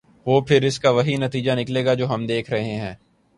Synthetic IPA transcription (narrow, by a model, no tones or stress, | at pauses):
ʋoːpʰɪɾɪskaʋɐɦinɐt̪iːd͡ʒanɪkleːɡad͡ʒoːɦɐmd̪eːkʰɾɐɦeɦɛ̃ː